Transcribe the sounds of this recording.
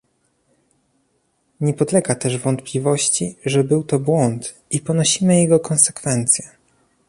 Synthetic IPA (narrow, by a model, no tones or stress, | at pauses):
ɲɛpɔd̪lɛɡat̪ɛʐvɔnt̪plʲivɔɕt͡ɕiʐɛbɘwt̪ɔbwɔnt̪ | ipɔnɔɕimɘjɛɡɔkɔ̃nsɛkfɛnt̪sʲjɛ